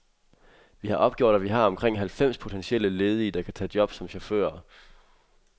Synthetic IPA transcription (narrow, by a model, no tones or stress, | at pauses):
ʋihɑ̈ʔɒ̽b̥̚ɡ̥jo̝̰ɾ̥æʋiɦɑ̈ɒ̽mkʰʁeŋ̰ɦælfem̰spʰo̝t͡sʰenɕiel̰əle̝ːð̞ˠid̥ɑ̈kʰæt͡sʰɛ̰ːd̥jɒ̽b̥sɒ̽mɕofø̰ːɐ